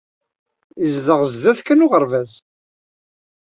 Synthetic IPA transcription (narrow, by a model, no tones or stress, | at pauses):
izðəʁzðæθkːənʊʁəɾvæz